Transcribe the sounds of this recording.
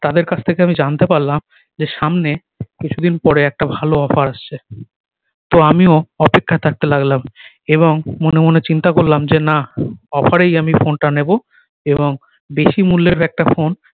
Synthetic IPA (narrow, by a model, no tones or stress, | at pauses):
t̪ad̪eɾkat͡ɕʰt̪ʰekeamid͡ʑant̪epaɾlam | d͡ʑeʃamne | kit͡ɕʰud̪inpɔɾeɛk̚ʈabʱaloɔfaɾaʃt͡ɕʰe | t̪oamioɔpekʰːat̪ʰak̚t̪elaɡlam | eβoŋmonemonet͡ɕint̪akoɾlamd͡ʑenaɔfaɾejamifonʈanebo | eboŋ | beʃimulːeɾɛk̚ʈafon